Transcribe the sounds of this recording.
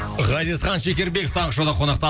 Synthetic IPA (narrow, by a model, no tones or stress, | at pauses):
ʁɑzizχɑnʃekʲe̞ɾbe̞koft̪ʰɑɴʁəʃod̪ɑqʰo̞nɑq̚t̪ɑ